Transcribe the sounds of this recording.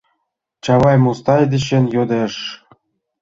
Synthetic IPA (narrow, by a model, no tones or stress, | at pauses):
t͡ɕɑβɑjmust̪ɑjd̪ĕɕenjod̪eʃ